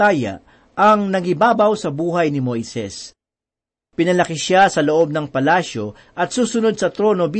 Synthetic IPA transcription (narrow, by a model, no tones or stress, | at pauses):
aːjɐ̰ | ʔɐŋnɐɡɪbaːbɐwsɐbuːɦɐjnɪmo̞jsɛ̰s | pɪnɐlɐkɪʃasɐloʔo̞b̚nɐŋpɐlaːʃjo̞ | ʔɐt̪̚suːsʊno̞d̪̚sɐt̪ɾo̞no̞bi